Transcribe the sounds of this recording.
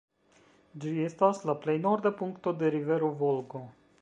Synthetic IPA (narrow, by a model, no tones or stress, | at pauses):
d͡ʒiest̪aslaplejnoɾd̪əpuŋkt̪od̪eɾiveɾovolɡo